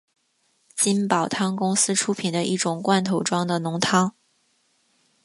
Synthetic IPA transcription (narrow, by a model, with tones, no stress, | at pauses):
t͡ɕi˥npɑ˨˩ʊt̪ʰɑ˥ŋkʊ˥ŋsɹ̩˥ʈ͡ʂʰu˥pʰi˨˩nd̪ə˦ʔi˥˩ʈ͡ʂʊ˨˩ŋkwa˥˩nt̪ʰo˧˥ʊʈ͡ʂwɑ˥ŋd̪ə˨nʊ˧˥ŋt̪ʰɑ˥ŋ